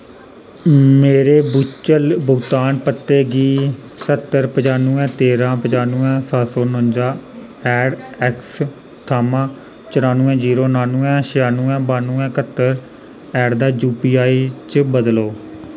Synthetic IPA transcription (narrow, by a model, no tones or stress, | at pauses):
meːɾeːbʊt͡ʃəlbʊɡt̪aːnpət̪ːeːɡiːsət̪ːəɾpəd͡ʒaːnũːɛ̃ːt̪eːɾãːpəd͡ʒaːnuːɛ̃ːsaːsoːnõnd͡ʒaː | ɛːɖɛːks | t̪ʰaːmãː | t͡ʃəɾaːnuːɛ̃ːd͡ʒiːɾoːnaːnũːɛ̃ːʃəjaːnuːɛ̃ːbaːnuːɛ̃ːkət̪ːəɾ | ɛːɖd̪aːd͡ʒuːpiːaːiːt͡ʃbəd̪loː